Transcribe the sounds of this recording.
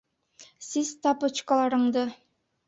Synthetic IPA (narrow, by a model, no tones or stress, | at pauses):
siz̥t̪ɑpɤt͡ʃkɑlˠɑɾɤ̆ɴd̪ɤ